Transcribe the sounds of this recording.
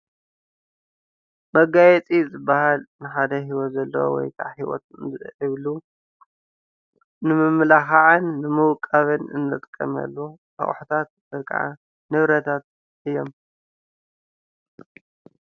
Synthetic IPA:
mɐɡajɛt͡sʼizɨbːahalnɨħad̪ɐɦiwot̪zɐlːɐwo̰wɔ̰jk̪ʰa̰ʕħiwɔ̰t̪ɨʔɨβlu | nɨmɨmlaxaʕanːɨmɨwkʼːaβɨnɨ̰nːɨt̪ʼkʼːɐ̰mɐ̰lːuʔa̰χʼħut̪ʰat̪̚bɐkʰʼa̰ʕa̰ | nɨβɾɐt̪ʰat̪̚ | ʔɨjːo̞m

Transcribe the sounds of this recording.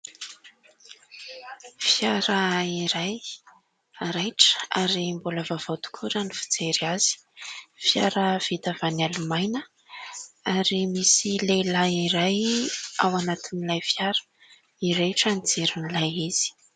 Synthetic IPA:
fjaɾaiɾaj | aɾajʈ͡ʂə̥aɾimbuləvavat̪u̥kʰuɾanifi̥d͡zeɾaz̥i̥ | fjaɾəv̥it̪avanalumajnə | aɾimisilelaiɾajawanat̪inilajfjaɾə̥ | iɾejʈ͡ʂanid͡zeɾinilajiz̥i̥

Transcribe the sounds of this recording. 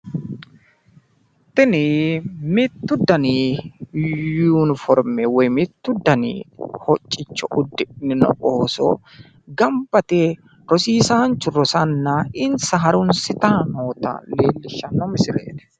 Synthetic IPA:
t̪ɪnɪmɪt̪ːʊd̪ːɐniːjuːnfɔɾmɛwɔjmɪt̪ːʊd̪ːɐnḭːhɔt͡ʃʼːɪt͡ʃːɔʔʊd̪ːɪnɪnɔ̰ʔoːsɔ̰ | ɡɐmbɐt̪eː | ɾɔsiːsaːnt͡ʃːʊrɾɔsɐnːaːɪnsɐɦɐɾʊnsɪt̪aːnoːt̪ɐ̰leːlːɪʃːɐnːɔmɪsɪlḛːd̪ɛ̥

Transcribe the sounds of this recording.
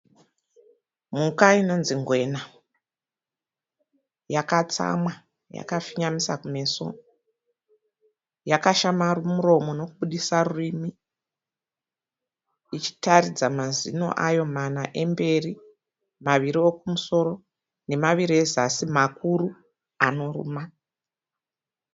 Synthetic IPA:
mukaino̞nziŋɡwe̞na | jakat͡sa̰mwa | ja̰kafiɲamisa̰kume̞so̞̰ | jakaʃamarumuro̞mo̞no̞kuɓuɗisarurimi | it͡ʃi̥taɾid͡zamazḭno̞̰ʔajo̞manaʔe̞mbe̞ri | maʋiɾio̞kumuso̞ro̞ | ne̞maʋirie̞zasimakuru | ano̞rṵːma

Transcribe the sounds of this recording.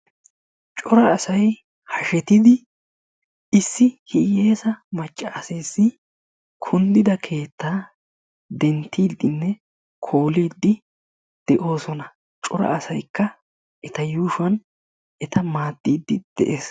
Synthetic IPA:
t͡ʃʼɔɾɐːsɐj | hɐʃɛt̪ɪd̪ɪ | ɪsːɪhɪjeːsɐmɐt͡ʃʼːaːseːsɪ | kʰʊnd̪ɪd̪ɐkʰe̞ːt̪ːaː | d̪ɛnt̪ːiːd̪ːɪnːɛ | kʰo̞ːliːd̪ːɪ | d̪̥ɛʔo̞ːsɔnɐ | t͡ʃʼɔɾɐ̰ʔːsɐjkːɐ | ʔɛt̪ɐjuːʃʊɐn | ʔɛt̪ɐmaːd̪ːiːd̪ːɪd̪̥ɛ̰ʔeːs

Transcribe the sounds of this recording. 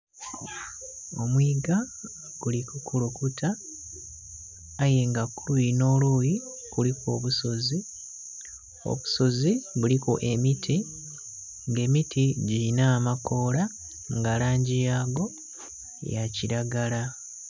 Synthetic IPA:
o̞mwiːɡa | ɡ̥ulikukulukutʰa | jeŋɡakːuluino̞ːluji | kuliko̞̰ːβuso̞zi | o̰βu̥so̞ziβuliko̰ʔe̞mitʰi | ŋɡe̞ːmitʰiɟilinaːmako̞ːla | ŋɡalaːɲɟijaːɡo̞̰ | jaciɾaɡala

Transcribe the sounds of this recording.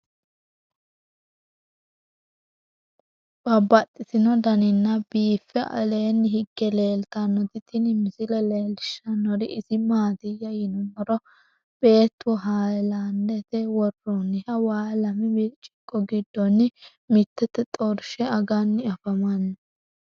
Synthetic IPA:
b̥ɐbɐt̪ʼːɪsɪnɔd̪ɐnɪnːɐbiːfːɛʔɐ̰leːnːɪɦɪɡːɛleːlt̪ɐnːɔt̪ɪt̪ʰɪnɪmɪsɪlɛleːlɪʃɐnːɔɾɪɪsɪmaːt̪ɪjːɐjɪnɔnːɔɾɔ | b̥e̞ːt̪ːwɔɦaːjland̪ɛt̪ɛwɔrːɔnːɪhɐwaːlɐmɪbɪlt͡ʃʼːɪ̥kʼːɔɡɪd̪ːɔnːɪ | mɪt̪ːɛt̪ːɛt̪ʼɔɾʃɛɐɡɐnːɪɐfɐmɐnː

